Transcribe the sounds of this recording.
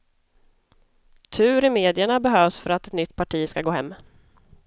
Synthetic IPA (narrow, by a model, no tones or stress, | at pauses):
t̪ʰʉ̟ːɾɪmeːd̪ɪəɳabɛɦøːvsfœɾat̪ɛt̪nʏt̪ːpʰaʈʰiːskaɡoːhɛ̰mː